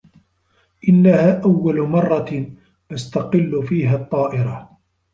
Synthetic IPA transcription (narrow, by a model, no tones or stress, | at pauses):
ʔɪnːahaːʔawːalmɑrˤːɑ | ʔast̪aqɪlːʊfiːɦaːt̪ˤːɑːʔɪɾa